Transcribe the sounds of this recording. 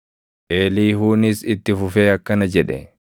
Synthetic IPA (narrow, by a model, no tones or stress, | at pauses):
ʔeːliːɦuːnɪsɪt̪ːɪfʊfeːɐkːɐnɐd͡ʒɛᶑɛ̰